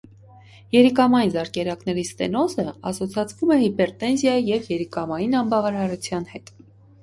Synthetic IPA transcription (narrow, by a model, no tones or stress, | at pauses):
jɛɾikɑmɑjinzɑɾkɛɾɑknɛɾist̪ɛ̰nɔzəɑsɔt͡sʰɑt͡sʰvumɛhipɛɾt̪ɛnzjɑjijɛvjɛɾikɑmɑjinɑmbɑvɑɾɑɾut͡sʰjɑnhɛt̪